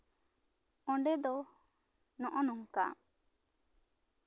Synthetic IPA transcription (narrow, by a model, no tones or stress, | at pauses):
ɔɳɖɛd̪ɔ | nɔʔɔnɔŋka̰